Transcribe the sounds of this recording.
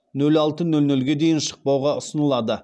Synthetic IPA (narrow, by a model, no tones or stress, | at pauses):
nɵlɑlˠt̪ənɵlnɵlɡʲe̞d̪e̞jɪnʃə̥q̚pɑwʁɑʊsənəlˠɑd̪ə